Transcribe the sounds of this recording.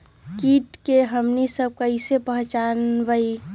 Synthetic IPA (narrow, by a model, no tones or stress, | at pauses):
kiʈkeɦəmnisəb̚kəɪsepəɦt͡ʃanbəi